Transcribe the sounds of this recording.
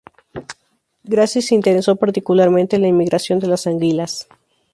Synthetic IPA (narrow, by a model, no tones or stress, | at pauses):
ɡɾasiseint̪e̞ɾeso̞paɾt̪ikulaɾmẽnt̪elaimːiɣɾasjo̞nd̪e̞lasaŋɡilas